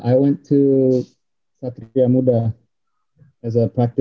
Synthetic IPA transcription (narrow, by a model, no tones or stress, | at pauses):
ʔajwɛ̃ntʰːu | sat̪ɾiamuda | ɛzəpɹak̚tɪ